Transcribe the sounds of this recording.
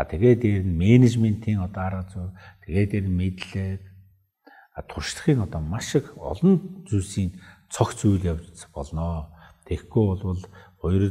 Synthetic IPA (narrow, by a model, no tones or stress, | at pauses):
a̰t̪ʰeɣeːt̪eɾɘ̆nmenet͡ɕment̪ʰiːŋɔt̪ɔaɾaːt͡suːt̪ʰeɣeːt̪eɾɘ̆nmet̪ɮɘːk | at̪ʰʊrʃɮə̥̆χiːŋɔt̪ɔːmaʃɪ̆kɔ̰ɮɞ̆nt͡suːsiːnt͡sʰɔxt͡sujɮjawt͡ɕpɔɮnɔːt̪ʰexɡujʊɮwə̆ɮɔjr̆